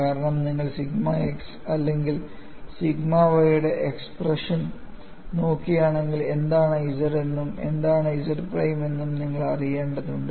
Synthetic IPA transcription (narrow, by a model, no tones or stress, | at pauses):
kaːɾɐɳɐmniŋːɐɭsiɡmɐeks | ɐlːe̞ŋɡil | siɡmaʋɐjuɽe̞ʔeksprɐʂɐn | no̞ːkːijaːɳe̞ŋɡile̞nd̪aːɳjisɐre̞nːume̞̰nd̪aːɳɐjisɐrprɐjme̞nːumniŋːɐɭɐrije̞ːɳɖɐðuɳɖɨ